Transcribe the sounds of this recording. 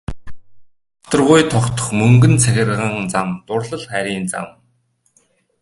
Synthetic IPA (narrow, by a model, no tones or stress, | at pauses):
ʊɔt̪ɞ̆rʁʊjt̪ʰɔkt̪ɞ̥̆χmɵŋɡɵ̆nt͡sʰæxʲɪ̆rʁə̆ŋt͡samt̪ʊrɮə̆ɮχæɾʲiːnt͡sa̰m